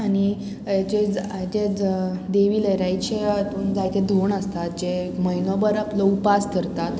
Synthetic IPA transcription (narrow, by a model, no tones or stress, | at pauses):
añi | d͡ʑed͡z | d͡ʑed̪eʋiːləjɾajt͡ɕeat̪uːnd͡zajt̪ed̪ʱoɳəst̪at̪̚d͡ʑeməjnɔbəɾaplɔupaskəɾt̪at̪